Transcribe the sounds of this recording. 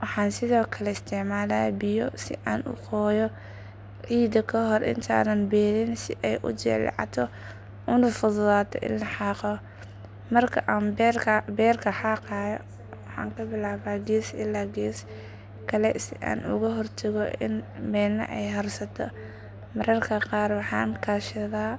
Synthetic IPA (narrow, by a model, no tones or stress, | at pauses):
wɑħɑːnsɪðɔːkʰɐlɛɪst̪ʰɪʕmaːla̰ːbɪjɔsɪʔaːnʊ̰qɔːjɔ | ʕiːd̪ɐkʰɐɦɔrʔɪ̰nt̪ʰa̰ːðɐnbɛːlɪnsɪʔɛjʔʊ̰d͡ʒɛ̰ʕlɑ̰ʕɑ̰t̪ʰɔ | ʊnʊfʊðʊðaːt̪ʰɔ̰ʔɪ̰nlɐħɑːqɔ | mɐrkʰɐʔaːnɛrɐbɛːrkʰɐħɑːqɑːjɔ | wwɑħɑ̰ːŋkʰɐbɪlaːβaːɡɛːsɪlːaːɡɛːs | kʰɐlɛ̰sɪʔa̰ːnʊ̰ɣɐɦɔrt̪ʰɐɣɔʔɪ̰nmɛːlnɐ̰ʔɛjɦɐrsɐt̪ʰɔ̰ | mɐɾʔɐrkʰɐqɑːrwɑħɑːnkʰaːʃɐðaː